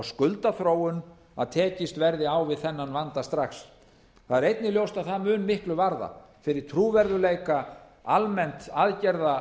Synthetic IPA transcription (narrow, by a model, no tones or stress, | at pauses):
skʏlt̪aθɾoːwʏn | aðt̪ʰɛːcɪst̪vɛɾðɪawvɪðθɛnːanvant̪ast̪ɾaxs | θaðɛɾejt̪nɪljowst̪aðθamʏːnmɪhklʏvaɾða̰ | fɪɾɪɾ̥t̪ʰɾuːvɛɾðʏlejka | almɛn̥t̪aðcɛɾða